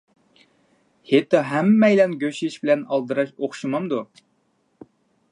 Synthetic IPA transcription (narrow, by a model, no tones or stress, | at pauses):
het̪ːɑɦæmːɛjlɛnɡʲøʃʃbɪlɛnɑlˠd̪ɨɾɑʃoχʃumɑmd̪u